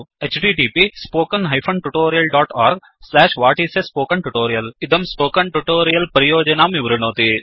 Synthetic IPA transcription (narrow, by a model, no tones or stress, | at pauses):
et͡ʃʈiʈiːpispoːkɐnɦɐjpʰɐɳʈuʈoːɾijɐlɖaːʈaːɾɡ | slaːʂʋaːʈiːsespoːkɐɳʈuʈoːɾijɐlid̪ɐmspoːkɐɳʈuʈoːɾijɐlpɐɾɐjoːd͡ʒɐnaːmiʋɾunoːt̪i